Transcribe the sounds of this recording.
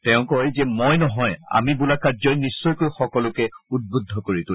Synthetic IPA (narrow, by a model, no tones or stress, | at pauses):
tɛʊ̃kɔjzɛmojnɔɦɔja̰mibulakazɔjnisːɔjkojxɔkɔlʊkɛud̚budʱːɔkoɹitʊ